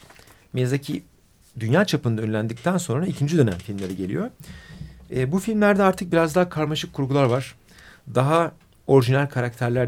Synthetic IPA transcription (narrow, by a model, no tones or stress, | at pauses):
mezacʰi | d̪ynjaːt͡ʃʰapɯnd̪aønlʲænd̪ic̚t̪ʰænso̞nɾaicʰind͡ʒid̪ø̞næmfilʲmlʲe̞ɾiɟe̞lʲḭjo̞ | ɛːbufilʲmlʲæɾd̪ɛaɾt̪ʰɯk̚biɾazd̪aɦakʰaɾmaʃɯkʰːuɾɡulˠaɾvaɾ̥ | d̪aɦa | o̞ɾiʒinælʲkʰaɾak̚t̪ʰæɾlʲæɾ